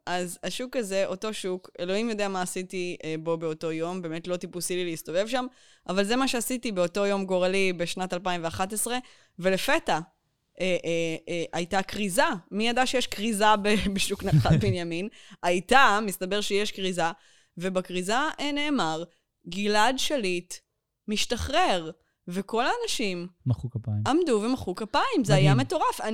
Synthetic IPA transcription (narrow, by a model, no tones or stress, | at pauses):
ʔazaʃukaze̞ʔo̞to̞ʃuke̞lo̞imjo̞deamaːsitiebo̞beo̞to̞jo̞mbe̞ːme̞tlo̞tipusilileisto̞ve̞vʃam | ʔavalze̞maʃeasitibeo̞to̞jo̞mɡo̞ʁalibeʃnatalpaimveaχatesʁe̞ | ve̞lefe̞ta | ʔeʔʔajtakʁizamijadaʃejeʃkʁizabebeʃuknaχabenjamin | ajtamist̪abe̞ʁʃejeʃkʁiza | vebakʁizaʔene̞ːmaʁ | ɡiladʃalit | miʃtaχʁeʁ | veko̞laːnaʃimmaχukapaimamduvemaχukapaimzeajame̞to̞ʁafan